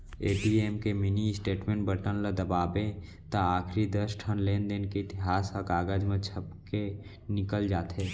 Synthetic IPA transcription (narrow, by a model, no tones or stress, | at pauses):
eːʈiːeːmkeminisʈeːʈmẽːɳʈbəʈənləd̪əbaːbẽ | t̪aaːkʰɾid̪əsʈʰənleːnd̪eːnkeɪt̪ɪɦaːsɔkaːɡəd͡ʒmə̃t͡ʃʰəbke | nɪkəld͡ʒaːt̪ɦeː